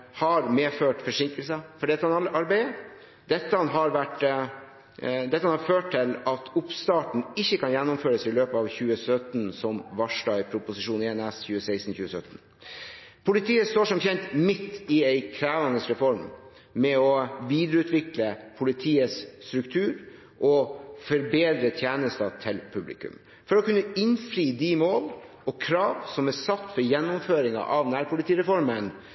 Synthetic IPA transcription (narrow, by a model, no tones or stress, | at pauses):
hɑɾmeːføːʈfɔʂɪŋkəlsəfɔɖɛt̪ːəhɑnɑɑɾbæɪə | d̪ɛt̪ːəhɑnɦɑɾʋæʈ | d̪ɛt̪ːəhɑnhɑɾføːʈʰːɪlɑt̪ʰʊpst̪ɑːʈɳ̩ɪçːəkɑnjɛnːʊmføːɾəsɪløːpəɑʋçʉːəsœt̪nsɔmʋɑʂɖɑːɡpʰɾʊpʊsɪʂuːnɛɛnɛsçʉːəsæɪst̪n̩çʉːəsœt̪n̩ | pʰʊlɪt̪ʰiːəst̪oːʂɔmçɛnt̪mɪt̪ːɪɛɪkʰɾæːʋɑnəsɾɛfɔɾm | mɛɔʋiːd̪ɾəʉːt̪ʰʋɪkləpʰʊlɪt̪ʰiːəsst̪ɾʉkt̪ʰʉːɾ | ʔɔfɔɾbeːd̪ɾət̪ʰjæːnəst̪ɑt̪ʰɪlpʰʉblɪ̰kʉ̰m | fɔɾɔkʉnːəɪnfɾiːd̪imoːl | ɔkʰɾɑːʋsɔmæsɑt̪ːfɔɾjɛnːʊmføːɾɪŋɑ̰ʔɑʋnæːɾpʰʊlɪt̪ʰiːɾɛfɔɾmən